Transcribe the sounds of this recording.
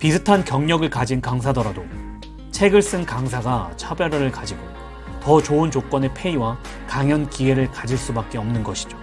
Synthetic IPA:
pisʰɯtʰankjʌŋɲʌɡɯɭkad͡ʑinkaŋsʰadʌɾado | t͡ɕʰe̞ɡɯɭs͈ɯnkaŋsʰaɡat͡ɕʰabjʌɾʌɾɯɭkad͡ʑiɡo | tʌt͡ɕoɯnt͡ɕok͈wʌnepʰe̞iwa | kaŋjʌnkiɡe̞ɾɯɭkad͡ʑiɭs͈ubak͈̚e̞ʌmnɯnɡʌɕʰi̥d͡ʑo

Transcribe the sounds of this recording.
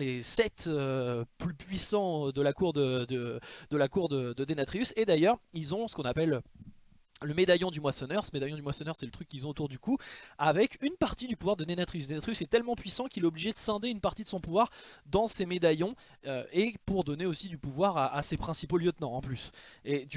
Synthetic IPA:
lesɛt̪øplypɥisɑ̃d̪əlakuʁd̪əd̪əd̪əlakuʁd̪əd̪əd̪enat̪χiysed̪ajœʁilzɔ̃sə̥kɔ̃napɛl | ləmed̪ajɔ̃d̪ymwasɔnœʁsəmed̪ajɔ̃d̪ymwasɔnœʁsɛlət̪χykʲːilzɔ̃ot̪uʁd̪ykuavɛkynpaʁt̪id̪ypuvwaʁd̪ənenat̪χiysnenat̪χiysɛt̪ɛlmɑ̃pɥisɑ̃kʲilɛobliʒed̪əsɛ̃d̪eynpaʁt̪id̪əsɔ̃puvwaʁd̪ɑ̃semed̪ajɔ̃ | øepuʁd̪ɔneosid̪ypuvwaʁaʔasepχɛ̃sipoljət̪nɑ̃ːplysed̪y

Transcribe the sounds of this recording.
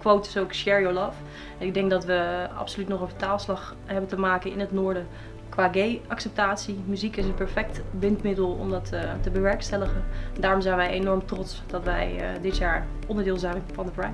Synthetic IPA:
kʋowtɪ̥sowkʃɛɹiolɑf | ɛnɪɡ̚dɛŋɡ̚dɑtʋəɑ̰psolytnɔχəfətaːlˠslɑχ | ɦɛbəntəmaːkənɪnɦətnʊːɹdə | kʋaːɡejɑksɛp̚taːtsimyzikɪsənpɛɹfɛk̚tbɪntmɪdəlˠɔ̰mdɑttəbəʋɛɹkstɛləχənndaːrɔmzɛjnʋɛjejnɔɹmtrɔtsd̥ɑtʋɛjdɪtjaːɹ | ʔɔndəɹdɪːlˠzɛjnfɑndəpɹa

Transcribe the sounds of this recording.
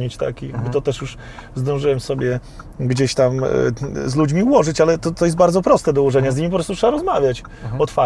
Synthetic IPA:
ɲit͡ɕt̪a̰kijaɡbɘt̪ɔt̪ɛʂjuʂ | zd̪ɔ̃w̃ʐɨwɛmsɔbʲjɛ | ɡd͡ʑeɕt̪am̰ | zlud͡ʑmʲiuwɔʐɘt͡ɕalɛt̪ɔt̪ɔjɛst̪̚baɾd̪ɔpɾɔst̪ɛd̪ɔwɔʐɛɲɛzʲɲimipɔpɾɔst̪utʂɛbaɾɔzmavʲjat͡ɕ | ɔt̪fa

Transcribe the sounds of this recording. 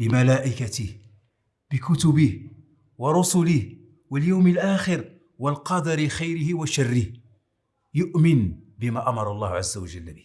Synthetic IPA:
bɪmælæʔɪkat̪ɪh | b̥ɪkʊt̪ʊbɪh | wɑɾˤʊsʊlɪh | wəljawməlʔaːxɪɾ | wəlqɑd̪ɑɾɪxajɾɪhɪwaʃarːɪh | jʊʔmɪnbɪmæʔamɑɾˤɑlˤːɑ̰ːhʕazːawaʒəlːbi

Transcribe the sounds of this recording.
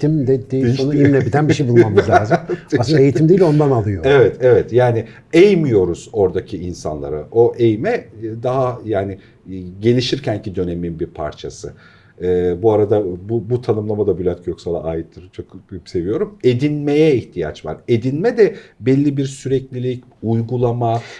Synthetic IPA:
imd̪ɛd̪ejionuimlʲebid̪ænbiʃejbulˠanmklʲːzasɯaeit̪ʰimd̪eilʲo̞nd̪analˠɯjoevɛt̪ʰevɛt̪jaːni | ejmijo̞ɾuz̥o̞ɾd̪acʰiːnsa̰nlˠa̰ɾa̰ʔo̞ʔejmɛd̪aɦajaːnɪ | ɟe̞lʲiʃiɾcæncʰid̪ø̞ne̞minbiɾpʰa̰ɾt͡ʃʰasɯ | ɯːbuaɾad̪abubut̪ʰanɯmlˠamad̪abylʲat̪cjo̞ksalˠa̰aːjit̪ːɯɾt͡ʃʰokse̞vijo̞ɾume̞d̪inme̞jɛiçt̪ʰija̰t͡ʃva̰ɾe̞d̪inmɛd̪ɛbɛlʲːibiɾsyɾɛclʲilʲic | ujɡulˠama

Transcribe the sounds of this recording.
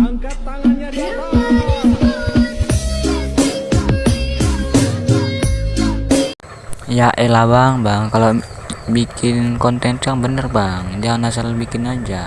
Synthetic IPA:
jaʔelawaŋbaŋkalo | bikʰɪnkɔnt̪ɛnt̪jaŋbənərbaŋd͡ʒaŋnasalbikɪnaɲd͡ʒa

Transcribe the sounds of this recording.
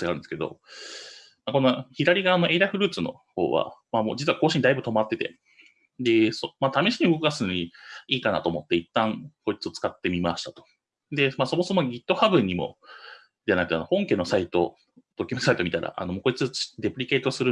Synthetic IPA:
aɾɯ̟̃nd̪esɨ̥ke̞d̪o̞̰ | mako̞noçiɾaɾʲiɡaːno̞ʔe̞iɾaɸɯ̟ɾɯ̟ːt͡sɨno̞̰ho̞̰ːβa̰mamoːd͡ʑit͡sɨɯβako̞ːɕiɲ̟id̪aibɯ̟t̪o̞mat̪ːe̞t̪e̞̰ | d̪e̞somat̪amʲiɕiɲ̟iɯɡokɯɡasɨnoɲiiːkana̰t̪o̞ːmot̪ːe̞it̪ːãŋko̞it͡sɨo̞t͡sɨ̥kat̪ːe̞mʲimaɕi̥t̪at̪o̥ | d̪e̞maːso̞mo̞somoɡʲit̪ːo̞habɯ̟ɲ̟ːimo̞̰ | d̪eanakɯ̟t̪ano̞hõ̞ŋke̞no̞sait̪o̞̰ | d̪̥o̞kʲimesait̪o̞mʲit̪aɾa̰ʔa̰no̞moːko̞it͡sɨd̪e̞pɯ̟ɾʲike̞ːt̪osɨɾɯ

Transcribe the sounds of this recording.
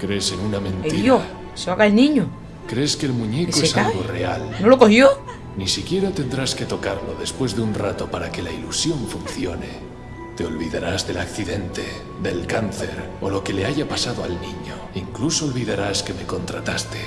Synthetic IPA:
kɾe̞se̞nunamẽ̞nt̪eijoa | saɣaelnĩɲo | kɾe̞ske̞ːlmũɲe̞ksoeeskaɣore̞alnolokohjo | nisikje̞ɾat̪e̞nd̪ɾaske̞t̪o̞kaɾlo̞ðe̞spwe̞zðeunrat̪o̞paɾake̞lailusjo̞ɱfunθjo̞ne̞̰ | t̪e̞o̞lβiðaɾazðe̞lakθiðe̞nt̪e̞ | d̪e̞lkanθe̞ɾ | o̞lo̞ke̞le̞aʝapasaðoalnĩɲo | iŋkluso̞ːlβiðaɾaske̞me̞ko̞nt̪ɾat̪ast̪e̞̥

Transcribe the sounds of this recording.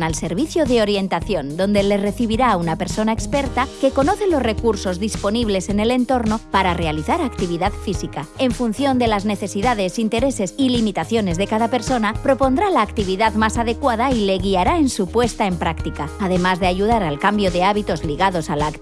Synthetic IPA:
nalse̞ɾβiθjoðeo̞ɾje̞nt̪aθjo̞nd̪o̞nd̪e̞le̞re̞θiβiɾaunape̞ɾso̞naekspe̞ɾt̪ake̞ko̞no̞θe̞lo̞zre̞kuɾso̞zðispo̞niβ̞le̞se̞ne̞le̞nt̪o̞ɾno̞paɾare̞aliθaɾakt̪iβ̞iðaðfisikae̞ɱfunθjo̞nd̪e̞lazne̞θe̞siðað̞e̞sint̪e̞ɾe̞se̞silimit̪aθjo̞ne̞zðe̞kaðape̞ɾso̞napɾo̞po̞nd̪ɾalaːkt̪iβ̞iðaðmasaðe̞kwaðaile̞ɣiaɾaensupwe̞st̪ae̞mpɾakt̪ikaaðe̞mazðeaʝuðaɾalkambjo̞ðe̞aβit̪o̞zliɣað̞o̞salaːk

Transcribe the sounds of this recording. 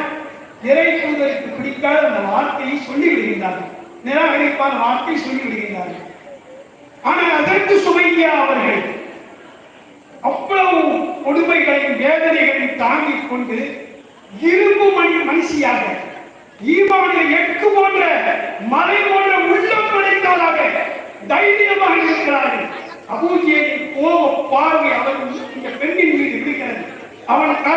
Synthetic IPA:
ɛɾɐɪt̪uːðɐɾɪkːɯpɪɽɪkːaːlɐnd̪ɐʋaːɾt̪ɐjɯsɔlːiʋɪɽɯɣɪndaːɾɣɐnɛːɾaːɪlɐpːaːɾʋaːɾt̪ɐjsɔlːɪʋɪɽɯɣɪndaːɾɣɐ | aːnaːɐðɐrkɯsʊʋɐɪŋɐjaːɐʋɐɾɣɐɭ | ɐpːɐɭɐʋɯkɔɽʊmbɐɪɣɐɭɐmbeːðɐnɐɪɣɐɭɐɪt̪ːaːŋɡɪkːɔɳɖɯ | ɪɾɯmbɯmɐnɪɐmɐnɪʂɪjaːɣɐ | ɪʋaːnɐɛkːɯpoːndrɐmɐɾɐɪpoːndrɐʊɭːɐmpːɐɽɐɪt̪ːaːlaːɣɐ | d̪ɐɪʋɪjɐmaːɣɐɪɾɯkːɪɾaːɾɣɐɭ | ɐbuːðɪjɐjɪnkoːʋɐpːaːɾʋiɐʋɐɾɣɐɭɪŋɡɐpɛɳbɪnmiːðɪʋɪɾɯɣɪɾɐðɯ | ɐʋɐnkɐ

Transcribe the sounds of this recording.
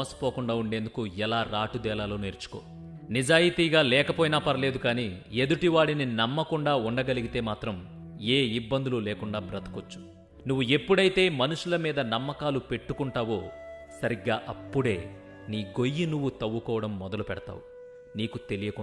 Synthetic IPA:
ɐsɐ̥poːkuɳɖaːuɳɖe̞ːnd̪ukuɛlaːɾaːʈud̪ɛːlaːloːneːɾt͡ʃu̥koː | nid͡ʒaːjit̪iːɡaːlɛːkɐpoːjinaːpɐɾɐle̞ːd̪ukaːniːe̞d̪uʈiʋaːɽininɐmːɐkuɳɖaːuɳɖɐɡɐliɡit̪e̞ːmaːt̪ɾɐm | eːibːɐnd̪ululɛːkuɳɖaːbɾɐt̪ɐ̥kot͡ʃːu̥ | nuʋːue̞pːuɽɐjit̪e̞ːmɐnuʂulɐmiːd̪ɐnɐmːɐkaːlupe̞ʈːukuɳʈaːʋo̞ːsɐɾiɡːaːʔɐpːuɽe̞ː | niːɡo̞jːinuʋːut̪ɐʋːukɔːʋɐɽɐmːɔd̪ɐlupɛɽɐt̪a̰ːwu | niːkut̪e̞lijɐkɔ

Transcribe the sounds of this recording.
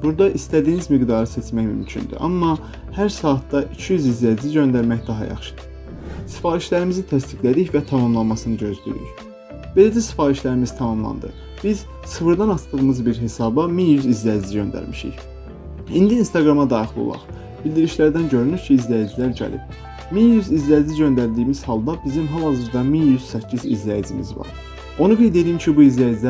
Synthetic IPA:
b̥uɾd̪ɑʔist̪æd̪iːnizmiɡd̪ɑɾɯset͡ʃmæçmy̰mcʰy̰nd̪y̰ʔɑmːɑ | hæɾsɑːt̪d̪ɑʔicʰijyzizlæid͡ʒiziɟø̞nd̪æɾmæçd̪ɑɦɑ̰jɑ̰χʃɯ̥d̪̥ɯ̥ | si̥fɑːɾiʃlæɾimizit̪ʰæs̬t̪iɡlæd̪içvæt̪ʰɑmɑmlˠɑnmɑsɯnɯɟø̞zd̪y̰ɾy̰ç | b̥e̞læd͡ʒæsi̥fɑːɾiʃlæɾimizt̪ʰɑmɑmlˠɑ̰nd̪ɯ̰ | b̥iz̥ | sɯfɯɾd̪ɑnɑst̪ɯʁɯmɯzbiɾɦe̞sɑːbɑminjyzizlæjiziɟø̞̰nd̪æ̰ɾmiʃḭç | ind̪iinst̪ɑɡɾɑmɑd̪ɑːχilˠo̰lˠɑ̰χ | b̥ilʲd̪iɾiʃlæɾd̪ænɟø̞ɾynyɾcʰiːzlæjid͡ʒilæɾɟæ̰lḭb̥̚ | minjyzizlæid͡ʒiɟø̞nd̪æɾd̪iːmiz̥hɑlˠd̪ɑbizimɦælɑzɯɾd̪ɑminjyzsæcʰːizḭzlæjid͡ʒimḭzvɑ̰ɾ | o̞nuɡe̞jd̪e̞d̪ijincʰibuizlæjid͡ʒlæ

